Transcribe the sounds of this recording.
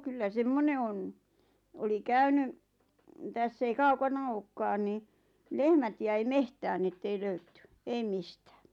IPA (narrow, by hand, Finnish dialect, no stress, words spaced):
kylːæ semːone on oli kæyny tæsː ei kɑukɑnɑ oːkːɑːn ni lehmæt jæi mehtæːn n̆ĭ etːei løytːy eim mistæ̥ː